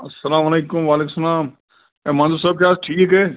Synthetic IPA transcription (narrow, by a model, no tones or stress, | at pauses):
ɐsːɐlaːmɐleːkʊmʋaːleːkʊmsɐlaːm | eːmãːnzuːɾsaːb̚kjaːsʈʰiːkekɦɛː